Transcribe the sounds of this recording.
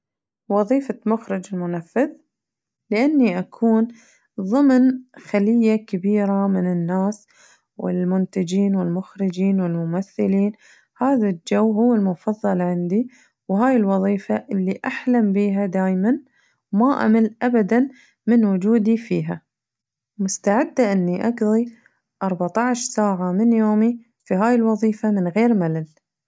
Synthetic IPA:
wɑðˤiːfamʊxɾɪd͡ʒɪlmʊnafːɪð | lɪʔanːiʔakʰuːn | ðˤɨmnxalɪjːakabiːɾamɪnɪnːaːs | wɪ̰lmʊnt̪ad͡ʒiːnwɪlmʊxɾɪd͡ʒiːnwɪlmʊmaθːɪliːn | haːðald͡ʒawːɦʊwːɪlmʊfɑðˤːɑlʕɪnd̪i | wɦaːjɪlwɑðˤiːfaʔɪlːiʔaħlambiːɦad̪aːjman | wmaʔa̰malʔabad̪an | mɪnwʊd͡ʒuːd̪ifiːɦa | mʊst̪aʕɪd̪ːaʔɪnːiʔaɡðˤi | ʔɑɾˤbaʕt̪ɑʕʃsaːʕamɪnjoːmi | fiɦaːjɪlwɑðˤiːfamɪnɣeːɾmalal

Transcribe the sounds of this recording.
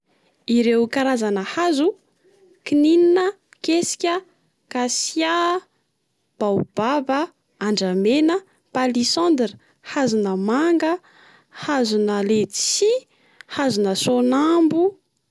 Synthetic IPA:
iɾewkaɾazanəhazu | kinininə | kesi̥kʲə | kasja | b̥awb̥avə | aɳɖ͡ʐamenə | palisɔ̃nd̪ɾi | hazunəmaŋɡə | hazunəlet͡si | hazunəsonambu

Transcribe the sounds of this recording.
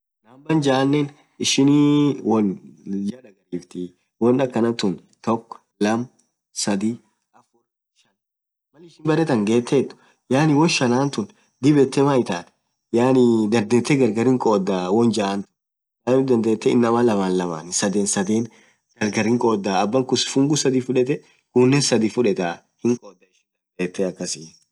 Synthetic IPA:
naːmbɐnd͡ʒaːnːen | ɪʃɪnwɔnd͡ʒɐᶑɐɡɐɾiːft̪ɪ | wɔnɐkːɐnɐnt̪ʊn | t̪ɔkː | lɐm | sɐd̪i | ɐfɔ | ʃɐn | mɐlɪʃɪnbɐɾɛt̪ɐŋɡe̞ːt̪ːeːt̪ːʊ̥ | jaːnɪwɔnʃɐnaːnt̪ʊn | d̪ɪbɛt̪ːɛmaɪt̪aːt̪ | jaːnɪd̪ɐnd̪eːt̪ːɛɡɐɾɡɐɾɪŋkʼo̞ːd̪ːaːwɔnd͡ʒɐːnt̪ʊ̥ | jaːmɪd̪ɐnd̪eːt̪ːɛɪ̰nːɐmɐlɐmaːnlɐma̰ːnɪsɐd̪eːnsɐd̪eːn | ɡɐɾɡɐɾɪŋkʼoːd̪ːaːbːɐŋkʊsfʊŋɡʊsɐd̪ifʊᶑɛt̪ɛ | kunːɛsɐd̪ifʊᶑɛt̪aː | hɪŋkʼoːd̪ːɐɪʃɪnd̪ɐnd̪eːt̪ːɛɐkːɐsɪ

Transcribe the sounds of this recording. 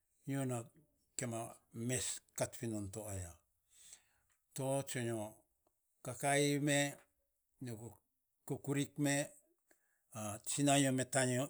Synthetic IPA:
ɲona | kemameskatpinontoaja | tot͡ʃoɲo | kakaime | ɲo | kokuɾikme | at͡ʃinajometaɲo

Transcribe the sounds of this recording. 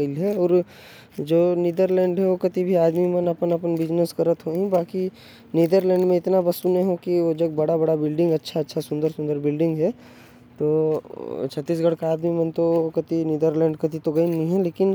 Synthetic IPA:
lɦɛɔːɾ | d͡ʒoːniːd̪əɾlɛ̃ːɳɖɦɛʋokɐt̪ibʱiaːd̪mimɐnɐpənɐpənbɪd͡ʒnəskɐɾət̪ɦoɦĩbaːki | niːd̪əɾlɛ̃ːɳɖmẽɪt̪nabɐsuneɦõkiʋod͡ʒɐɡ̚bɐɽabɐɽabɪlɖɪ̃ŋɡɐtːʃʰaɐtːʃʰasʊ̃nd̪əɾsʊ̃nd̪əɾbɪlɖɪ̃ŋɡɦɛ | t̪oː | t͡ʃʰɐt̪ːiːs̬ɡɐɽkaːd̪mimənt̪okɐt̪iniːd̪əɾlɛ̃ːɳɖkɐt̪ʰit̪oɡɐinĩɦɛ̃leːkɪn

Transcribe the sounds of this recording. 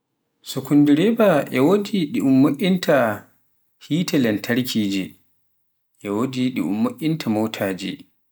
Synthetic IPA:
sɔkundiɾɛbaʔɛwodiɗiʔumːoʔʲːintʰa | hiːtɛlɛntʰaɾkʰiːd͡ʒi | ʔɛwodiɗiʔṵmːoʔʲːintʰamowtʰaːd͡ʒḭ

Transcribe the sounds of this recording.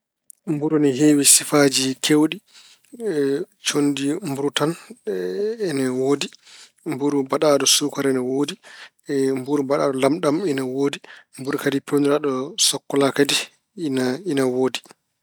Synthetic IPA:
mbuɾuniɦeːwisifad͡ʒikʰewɗi | t͡ʃondimbuɾutan | ɛnɛwoːdi | mbuɾubaɗaːɗɔsukaɾɛnɛwodi | mbuɾubaɗa̰ːɗɔlamɗaminawoːdimbuɾukadipewniɾaɗɔsɔkːɔlakadi | nainawoːdi

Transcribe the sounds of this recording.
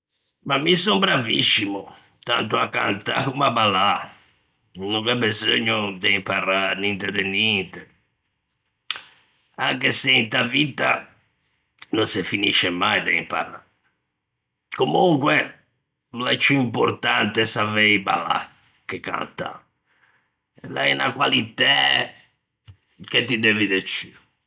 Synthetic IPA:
mamːisombɾavḭsːimɔ | t̪a̰nt̪oakːa̰nt̪a̰kumabala | nuŋkɛbːezoɲːod̪ɛimparanint̪ɛd̪ɛnɛnt̪ɛ | aŋkeseint̪avit̪a̰ | nonsefinḭʃːɛmajd̪ɛimpa̰raɾ | komuŋkwɛ | lat͡ʃːuimpo̰ɾt̪ant̪ɛsaveiba̰la̰ | kːekːa̰nt̪a̰ | laɛna̰kwalit̪ɛ | k̟et̪ːid̪evid̪et͡ʃːiɾ

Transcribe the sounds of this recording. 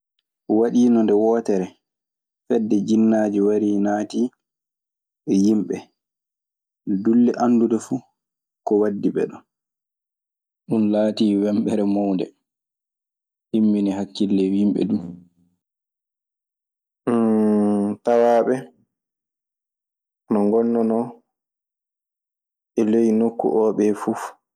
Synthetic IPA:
waɗiːnɔndɛwɔːtɛɾɛ | fɛdːɛd͡ʒinːaːd͡ʒiwaɾiːnaːtiː | ɛjimɓɛ | dulːɛʔandudɛfu | kɔwadːiɓɛ̰ɗɔn | ɗunlaːtiːwɛmɓɛɾɛmɔwndɛ̰ | himːinihakːilːɛwimɓɛ̰du | tawaːɓɛ | nɔŋɡɔnːɔnɔ | ɛlejinokːṵʔɔːɓɛfuf

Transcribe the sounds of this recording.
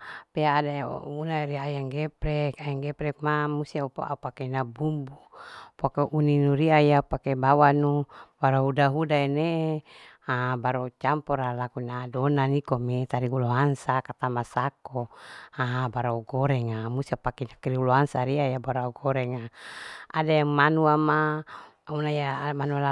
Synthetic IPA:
peaːda̰unaiɾiajaŋɡepɾɛkajaŋɡɛpɾɛk̚mamust̪iaupaupakeinabumbupokeʔuninuɾiajapakebawanubaɾaɦudaɦudaene | abaɾot͡ʃampɔɾalakuinadonanikomet̪aɾiɡuloɦansakat̪amasakoaɦabaɾauɡoɾeŋamust̪iapakenakiɾiuloɦansaɾiajabaɾauɡoɾeŋaa̰dajaŋmanuama | unajamanuala

